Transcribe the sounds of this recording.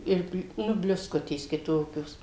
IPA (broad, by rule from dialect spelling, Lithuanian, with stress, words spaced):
ˈɪr ˈnʊ bʲlʲʊsˈkʊtʲeːs kʲɪˈtoːkʲoːs